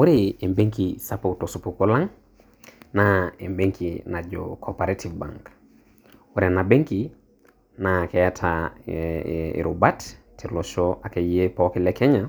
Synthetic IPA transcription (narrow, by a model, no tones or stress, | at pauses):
wuɾeembeŋkisapotosupukulaŋ | naembeŋkinad͡ʒo̰kʰopaɾetʰivba̰ŋk | wuɾenabeŋki | nakɛɛtʰa | ḭɾubattʰiloʃoakejepɔkilɛkɛɲa